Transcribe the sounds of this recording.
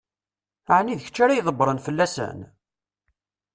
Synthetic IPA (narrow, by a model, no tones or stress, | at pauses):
ʕniðəçət͡ʃːaɾajðˤəbɾˤənfəlːæsə̰n